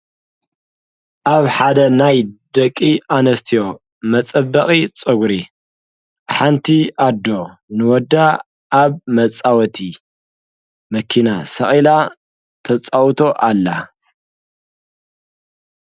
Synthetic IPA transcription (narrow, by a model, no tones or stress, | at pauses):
ʔaβħad̪ɐnajd̪ɐkʼːianɐst̪ʰijo̞ | mɐt͡sʼɐbːɐχʼit͡sʼɨɡɾi | ħant̪ʰiʔad̪ːo̞nɨwɔd̪ːa | ʔaβmɐt͡sʼawɔt̪ʰi | mɐkʰinasɐχʼila | t̪ʰɐt͡sʼawt̪ʰo̞ʔalːa